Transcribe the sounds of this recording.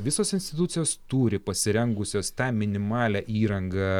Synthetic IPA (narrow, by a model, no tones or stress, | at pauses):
ʋʲɪsoːsɪnsʲt̪ʲɪt̪ʊt̪sʲɪjoːst̪uːɾʲɪpɐsʲɪɾʲɛŋɡʊsʲoːst̪ɑːmʲɪnʲɪmɑːlʲæːʔiːɾɐŋɡɑ